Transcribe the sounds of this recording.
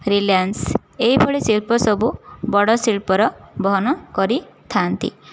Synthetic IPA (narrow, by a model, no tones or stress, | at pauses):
ɾiljans | eɦibʱɔɭisilpɔsɔbubɔɽɔsilpɔɾɔbɔɦɔnɔkɔɾit̪ʰant̪ḭ